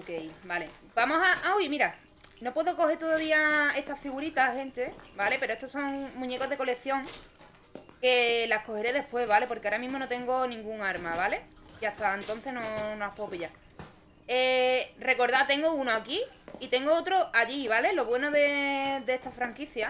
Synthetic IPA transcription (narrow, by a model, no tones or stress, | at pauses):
okejbale | bamo̞saʔaoimiɾa | no̞pwe̞ðoko̞het̪o̞ðaðiae̞st̪afiɣuɾit̪ahe̞nt̪e̞bale̞pe̞ɾoet̪oso̞ŋmũɲe̞ko̞ɦðe̞kole̞θjo̞ŋ | ke̞lahko̞he̞ɾe̞ðe̞hpwe̞zβale̞po̞ɾkeaɾamĩɦmo̞not̪e̞ŋɡo̞nĩŋɡuŋaɾmaβale̞ | iaht̪aent̪o̞n̟θeno̞noapoopiʎa | ere̞ko̞ɾðat̪e̞ŋɡounoaki | it̪e̞ŋɡoot̪ɾoaʎiβale̞lo̞βwe̞noðed̪eeht̪afɾaŋkiθja